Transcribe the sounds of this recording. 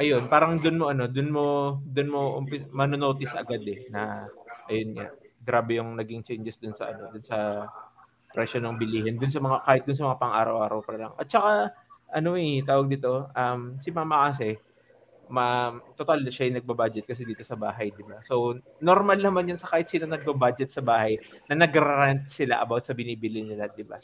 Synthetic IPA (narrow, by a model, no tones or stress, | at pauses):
ʔɐjo̞npaːɾɐŋd̪ʊnmo̞ʔɐno̞d̪ʊnmo̞d̪ʊnmo̞ʔʊmpɪsmɐnono̞ːt̪ɪsʔɐ̰ɡad̪ɛnɐʔɐjonɲa̰ɡɾaːbɛjʊŋnɐɡɪŋt͡ʃɛnd͡ʒɛsd̪ʊnsɐ̰ʔɐ̰no̞d̪ʊnsɐ | pɾɛʃonoŋbɪliːhɪnd̪ʊnsɐmɐŋakaːhɪt̪̚ʊnsɐmɐŋapɐŋʔa̰ːɾɐwʔaːɾɐwpɐɾɐlɐŋʔɐ̰t̪̚t͡ʃɐkaʔɐno̞ʔɛt̪aːwɐɡ̚d̪iːt̪o̞ʔɐmsɪmɐaamɐkas̬ɛ | mɐt̪ot̪alʃajʊŋnɐɡ̚bɐbad͡ʒɛt̪̚kɐs̬ɛd̪iːt̪o̞sɐbaːɦɐjd̪ɪbaso̞w | noɾmalnɐmanjɐnsɐkaːhɪt̪̚siːnɐŋnɐɡ̚bɐbad͡ʒɛt̪̚sɐbaːhɐjnɐnɐɡɐɾɾant̪̚sɪla̰ʔɐbawt̪sɐbɪniːbɪlɪnɪlɐd̪ɪba̰